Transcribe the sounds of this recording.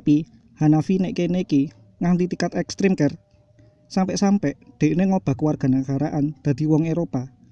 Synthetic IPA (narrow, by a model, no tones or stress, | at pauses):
pi | hanafineʔkeneiki | ŋaŋt̪it̪ikat̪ɛkst̪ɾimkɛr | sampɛʔsampɛʔd̪̥e̤ʔneŋob̥a̤kəwarɡ̥a̤naŋkaɾaʔand̪̥a̤d̪̥i̤wɔŋeɾopa